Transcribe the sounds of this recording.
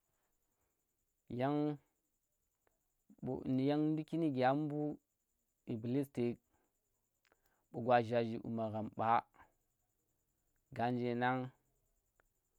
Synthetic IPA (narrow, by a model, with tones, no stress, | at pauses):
ja˦ŋ | ṵ˨ni˨ja˦ŋn˦du˦ki˦ni˦ɡʲa˦m˦bu˦ | i˨bli˦sti˨k̚ | ɓu˨ɡwa˨ʒa˨d͡ʒi˨ʔṵ˨ma˨ɣa˨mɓa˦ | ɡa˨nd͡ʒe˨na˦ŋ